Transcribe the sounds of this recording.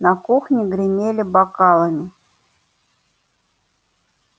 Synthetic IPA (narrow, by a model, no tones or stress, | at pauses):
nakuxnʲɪɡɾʲɪmʲelʲɪbakɑlˠəmʲɪ